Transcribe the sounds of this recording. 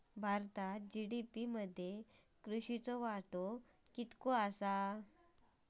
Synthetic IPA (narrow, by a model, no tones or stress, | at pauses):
bʱaɾt̪ad͡ʑiɽipiməd̪ʱːje | kɾuɕit͡sɔʋaʈo | kit̪koasa